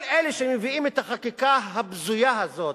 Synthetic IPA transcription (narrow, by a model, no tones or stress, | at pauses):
leleʃemeviimet̪haχakikaɦabzujaazo̞t